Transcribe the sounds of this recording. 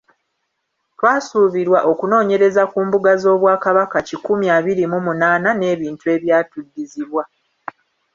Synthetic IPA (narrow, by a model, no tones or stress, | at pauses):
twaːsuːβiɾwaʔo̞kuno̞ːɲe̞ɾe̞zakuːmbuɡazo̞ːβwaːkaβakacikumjaːβiɾimumunaːnane̞ːβiːntue̞ːβjaːtudːiziβwa